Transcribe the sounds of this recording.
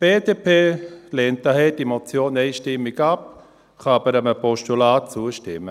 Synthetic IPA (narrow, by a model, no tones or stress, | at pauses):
b̥eːdepʰeːleːnt̚daɦɛdimɔt͡sjoːnɛɪʃtɪmɪɡap̚ | χɑɑbəɾəməpʰɔʃtulaːt̚t͡suəʃtɪmːə